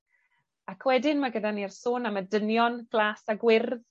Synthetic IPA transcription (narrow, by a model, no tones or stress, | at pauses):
akʰwɛdɪnmaɡədanirsoːnamədənjɔnɡ̥lˠaːsaɡwɪrð